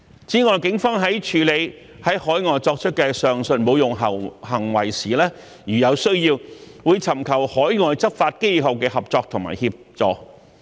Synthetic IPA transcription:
t͡siː˨˥ŋɔː˨˧jkɪ˨˧˥ŋfɔː˥ŋɦɐ˨˥jt͡ʃʰyː˨˧le˨˧j | hɐ˨˥jhɔː˨˥jŋɔː˨˧jt͡sɔː˧k̚t͡ʃʰɵ˥t̚kɛː˧sœː˨ŋsɵ˨˧nmo˨˧wjʊ˨˩ŋɦɐ˨hɐ˨˩ŋwɐ˨˩jsiː˨lɛː˥ | jyː˨jɐ˨˧wsɵ˥ɥjiː˧w | wuː˨˧jt͡sʰɐ˨˩mkʰɐ˨˩whɔː˨˥jŋɔː˨˧jt͡sɐ˥p̚faː˧t̚ke˥jɦɐ˨˩wkɛː˧hɐ˨p̚t͡sɔː˧k̚t̪ʰʊ˨˩ŋma̰ː˨˩jhiː˧p̚t͡sɔː˧˥k̚

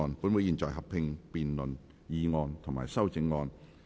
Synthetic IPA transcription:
ɔː˧npu˨˥nmu˨˥jiː˨˩nt͡sɔ̰ː˨˩jɦɐ˨p̚pʰɪ˧ŋpiː˨nlɵ˨n | jiː˧ŋɔː˧nt̪ʰʊ˨ŋmaː˨˩jsɐ˥wt͡sɪ˧˥ŋːɔː˧n

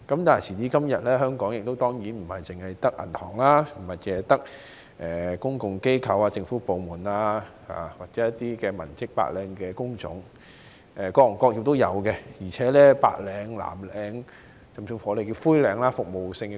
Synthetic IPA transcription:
kɐ˨˥mt̪aː˨˩jsʰiː˨˩t͡siː˨˥kɐ˥mjɐ˨t̚lɛː˥ɦœː˥ŋkɔː˨˥ŋjɪ˨k̚t̪o˥wt̪ɔː˥ŋjiː˨˥nm̩˨˩hɐ˨jt͡sɪ˨ŋhɐ˨jt̪ɐ˥k̚ʔɐ̰˨˩nt̪ʰɔ̰ː˨˩ŋlaː˥m̩˨˩hɐ˨˩t̚jɛː˨˧t̪ɐ˥k̚ | ʔɛː˨˩kʊ˥ŋkʊ˨ŋke˥jkʰɐ˨˧waː˧t͡sɪ˧ŋfuː˨˥po˨˧wmuː˨˩naː˧ | ha̰ː˨waː˨k̚t͡sɛː˨˥jɐ˥t̪ːiː˥kɛː˧mɐ̰˨˩nt͡sɪ˥k̚pa̰ː˧k̚lɛː˨˧ŋkɛː˧kʊ˥ŋt͡sʊ̰˨˥ŋ | ʔɛː˨˩kɔː˧˨˩ŋkɔː˧k̚ji˨˧t̪o˥wjɐ̰˨˧wkɛ˧jiː˨˩t͡sʰɛː˨˥lɛː˥pa̰ː˧k̚lɛː˨˧ŋla̰ː˨˩mlɛː˨˧˥ŋ | t͡sɐ˨msu˧fɔː˨˥le˨jki˧fuː˥jlɛː˨˧ŋlaː˥fʊ˨k̚mo˨wsɪ˧ŋ˧

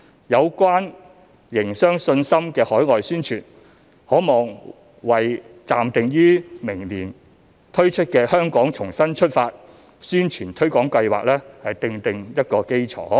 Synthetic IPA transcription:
jɐ˨˧wkʷaː˥n | jɪ˨˩ŋsœː˥ŋsɵ˧nsɐ˥mkɛː˧hɔː˨˥jŋɔː˨jsyː˥nt͡ʃʰyː˨˩n | hɔː˨˥mɔː˨ŋ | wɐ˨jt͡saː˨mt̪ɪ˨ŋjyː˥mɪ˨˩ŋliː˨˩n | t̪ʰɵ˥ɥt͡ʃʰɵ˥t̚kɛː˧hœː˥ŋkɔː˨˥ŋt͡ʃʰʊ˨˩ŋsɐ˥nt͡ʃʰɵ˥t̚faː˧t̚ | syː˥nt͡ʃʰyː˨˩nt̪ʰɵ˥ɥkɔː˨˥ŋkɐ˧jwa̰ː˨k̚lɛː˥hɐ˨jt̪ɪ˧ŋt̪ɪ˨ŋjɐ˥t̚kɔː˧ke˥jt͡ʃʰɔ̰ː˨˦

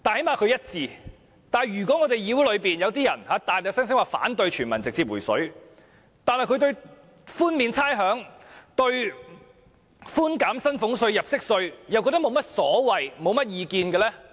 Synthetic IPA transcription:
t̪aː˨nhe˨˥jmaː˨kʰɵ˨˧ɥjɐ˥t̚t͡siː˨˧ | t̪aː˨˩jjyː˨˩kʷɔː˨˥ŋɔ˨˧t̪e˨jiː˨˧wu˥lɵ˨˧ɥpiː˨njɐ˨˧wt̪iː˥jɐ˨˩nhaː˨˧˥t̪aː˨˩ɛ˧wsɐ˥ŋsɪ˥ŋwaː˨fa̰ː˨˥nt̪ɵ˧ɥt͡ʃʰyː˨˩nmɐ˨˩nt͡sɪ˨k̚t͡siː˧p̚wu˨˩jsɵ̰˨˥ɥ | t̪aː˨nhɐ˨jkʰɵ˧t̪ɵ˧ɥ | fuː˥nmiː˨˧nt͡sʰaː˥jɦœː˨˥ŋt̪ɵ˧ɥ | fuː˥nkaː˨˥msɐ˥nfʊ˨˥ŋsɵ˧ɥjɐ˨p̚sɪ˥k̚sɵ˧ɥjɐ˨wkːɔ˧t̪ɐ˥mo˨˧wmɐ˥t̚sɔː˨˥wɐ˨˩jmo˨˧wmɐ˥t̚jiː˧kiː˧nkɛː˧lɛː˥

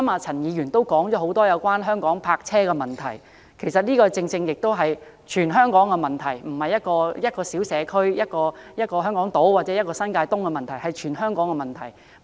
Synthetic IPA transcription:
ɐ˥maː˧t͡sʰɐ˨˩njiː˨˧jyː˨˩nt̪o˥wkɔː˨˥ŋt͡ʃɔː˨˥ɦo˨˧˥wt̪ɔː˥jɐ˨˧wkwaː˥nɦœː˥ŋkɔː˨˥ŋpʰaː˧k̚t͡sʰɛː˥kɛ˧mɐ˨nt̪ʰɐ˨˩j | kʰe˨˩jsɐ˨t̚niː˥kɔː˧t͡sɪ˧ŋt͡sɪ˧ŋjɪ˨k̚t̪o˥wɦɐ˨j | t͡ʃʰyː˨˩nɦœː˥ŋkɔː˨˥ŋkɛ˧mɐ˨˩nt̪ʰɐ˨˩jm̩˨˩hɐ˨jːɐ˥t̚kɔː˧jɐ˥t̚kɔː˧siː˨˥wsɛː˨˧˥kʰɵ˥ɥjɐ˥t̚kɔː˧jɐ˥t̚kɔː˧ɦœː˥ŋkɔː˨˥ŋt̪o˨˥wwaː˨t̚t͡sɛː˨˥jɐ˥t̚kɔː˧sɐ˥nkaː˧jt̪ʊ˥ŋkɛ˧mɐ˨nt̪ʰɐ˨˩jhɐ˨˩jt͡ʃʰyː˨˩nɦœː˥ŋkɔː˨˥ŋɛ˧mɐ˨nt̪ʰɐ̰˨˩j

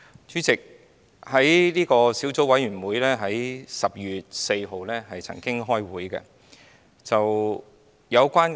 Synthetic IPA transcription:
t͡ʃyː˨˥t͡sɪ˨k̚ | hɐ˨˥jliː˥kɔː˧siː˨˥wt͡so˨˥wɐ˨˥jɥyː˨˩nwuː˨˥jlɛː˥ɦɐ˨˥jsɐ˨p̚jyː˨t̚se˧jɦo˨wlɛː˥ɦɐ˨jt͡sʰɐ̰˨˩ŋkɪ˥ŋɦɔː˥jwuː˨˥jkɛ̰˧ | t͡sɐ˨w | jɐ˨˧wkʷaː˥n

